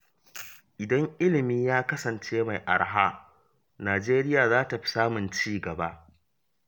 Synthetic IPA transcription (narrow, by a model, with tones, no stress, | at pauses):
ʔɪ˨dɐ˦ŋʔɪ˦lɪ˨miː˦jaː˦kɐ˦sɐ˨nt͡ʃeː˦ma˨jʔa̰˨ɽɦa˦ | naː˨d͡ʒeː˦ɾɪ˦jaː˨zaː˦ta˨ɸi̥˦saː˦mʊ˨nt͡ʃiː˦ɡɐ˨ba˦ʔ